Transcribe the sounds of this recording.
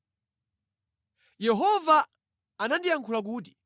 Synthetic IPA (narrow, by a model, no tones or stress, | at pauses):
jɛɦɔvaː | nandijaŋkʰulak̬uːt̬i̥